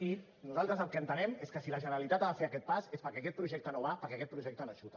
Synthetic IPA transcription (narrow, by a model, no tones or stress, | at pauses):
i | nuzalˠt̪ɾəzəlˠkəənt̪ənɛmeskəsilaʒənɾalit̪at̪aðafeakɛt̪̚pasespəɾkɛakɛt̪̚pɾuʒɛk̚t̪ənoβ̞apəɾkɛakɛt̪pɾuʒɛk̚t̪ənoaʃut̪ə